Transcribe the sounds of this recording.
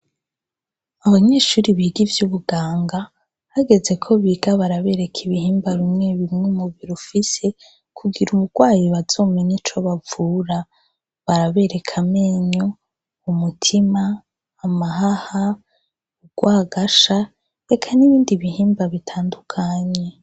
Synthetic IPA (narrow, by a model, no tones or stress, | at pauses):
aβaɲe̞ːʃuːɾiβiːɡivjuβuɡaːŋɡa | haɡe̞ze̞kʰo̞βiɡ̥aβaɾaβe̞ɾe̞kʰiβihiːmbaɾimŋe̞βimŋemuβiɾufise̞ | kʰuɡiɾuβuɡ̥waːjiβaz̥o̞ːmeɲit͡ʃo̞βavuːɾa | βaɾaβe̞ːɾe̞kʰameːɲo | umutʰimaː | mahaha | uɡ̥waːɡaʃa | e̞kʰaniβiːndiβihiːmbaβitʰaːndukʰaːɲe̞